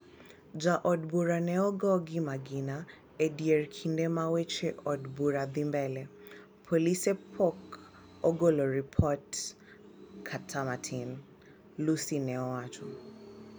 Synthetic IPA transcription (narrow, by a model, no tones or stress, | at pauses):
d͡ʒaʔɔdbuɾanɛɔɡɔɡimaɡina | ɛdiɛɹkʰindɛmawɛt͡ʃɛʔɔdbuɾaðimbɛlɛ | pʰɔlisɛpʰɔk | ɔɡolɔɹipʰɔt | kʰatʰamatʰin | lusinɛɔwat͡ʃɔ